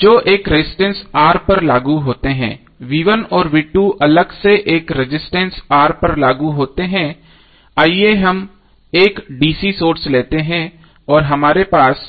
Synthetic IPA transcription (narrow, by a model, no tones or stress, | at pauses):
d͡ʒoːʔeːkɾɪɪsʈɛ̃nsaːɾpɐɾlaːɡuɦoːt̪eɦɛ̰̃ː | ʋiːʋənɔːɾʋɪʈːuʔɐləɡseʔeːkɾɪd͡ʒɪsʈɛ̃nsaːɾpɐɾlaːɡuɦoːt̪eɦɛ̃ | aːieɦɐm | eːkɖiːsisoːɾsleːt̪eɦɛ̃ | ɔːɾɦɐmaːɾepaːs